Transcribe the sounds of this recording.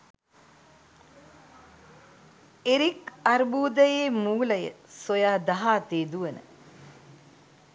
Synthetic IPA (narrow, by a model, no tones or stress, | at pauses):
eɾikaɾbuːd̪əjeːmuːləjə̰sojaːd̪aɦaːt̪eːd̪uənə̰